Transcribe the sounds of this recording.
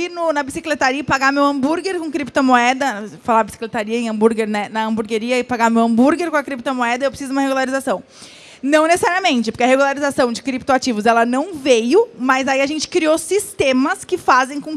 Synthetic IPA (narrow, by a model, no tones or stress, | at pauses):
inʊnɐbisiklet̪aɾiɐpaɡamewɐ̃mbuɾɡeɾkõkɾipt̪ɐmoɛd̪ɐfalabisi̥klet̪aɾiɐẽɐ̃mbuɾɡeɾnɛnɐɐ̃mbuɾɡeɾiɐɪpaɡamewɐ̃mbuɾɡeɾkõɐkɾip̚t̪ɐmoɛd̪ɐewpɾesizʊũmɐheɡulaɾizasɐ̃w̃ | nɐ̃w̃nesesaɾiɐmẽnt͡ʃɪpoɾkeɐheɡulaɾizasɐ̃w̃d͡ʒɪkɾip̚t̪oat͡ʃivʊzɛlɐnɐ̃w̃vejʊmɐzaiɐʒẽnt͡ʃɪ̥kɾiosist̪ẽmɐskɪfazẽj̃kõ